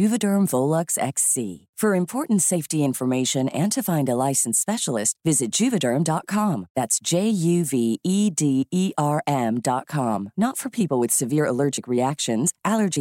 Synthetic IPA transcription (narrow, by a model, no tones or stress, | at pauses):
ʉvɨdə̃˞ɱvoʊlˠəksɛ̰ksḭ | fə˞ɨ̃mpʰɔɹʔn̩tseɪftiɪ̃ɱfə˞meɪʃɨ̃nɨ̃ntʰɨfãɪ̃ndəlaɪsn̩spɛʃl̩ˠɪst̚vɪzɨt̚d̥ʒ̥ʉvɨdə̃˞mdɑt̚kʰɑ̃mðætsd̥ʒ̥eɪjʉviidiiʔɑɹʔɛ̃mdɑt̚kʰɑ̃mnətfə˞pʰipl̩ˠwɨð̥sɨvɪɹə̰lɜ˞d͡ʒɨkɹiækʃɨ̃nz̥ʔælˠə˞d͡ʒi